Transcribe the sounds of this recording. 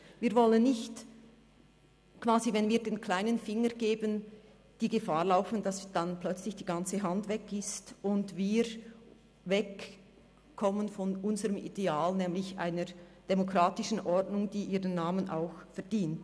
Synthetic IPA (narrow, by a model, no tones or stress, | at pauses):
viːɐvɔlənːɪçt | kv̥aːzivɛnviːɐdeːnkʰl̥aɪnənfɪŋəɡeːbən | d̥iːɡefaːʁlaʊfn̩d̥asd̥anplœt͡slɪçd̥iːɡant͡səɦandvɛkɪstʊndviːɾ | vɛk | kʰːɔmənfɔnʔʊnzəʁəmḭdeaːlnɛːmlɪçʔa̰ɪnəʁd̥emokʁ̥aːtɪʃn̩ʔɔrdnʊŋd̥iːʔiːʁənːaːmənʔa̰ʊxfɛɐd̥iːnt